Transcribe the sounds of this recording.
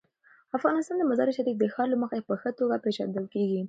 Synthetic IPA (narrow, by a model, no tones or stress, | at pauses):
afɣɑnɪst̪ɑnd̪əmazɑɾeʃaɾik̚d̪əxɑɾlaməxapəxət̪oɡapeʃa̰d̪əlkeɡi